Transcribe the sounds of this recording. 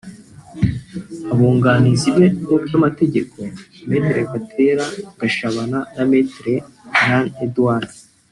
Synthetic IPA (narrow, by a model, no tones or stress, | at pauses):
aβoːŋɡaːnizibenobɟamate̞ɟe̞kʰo̞me̞tɾe̞βatʰe̞ɾaɡ̥aʃaβananametɾe | ɾanedwan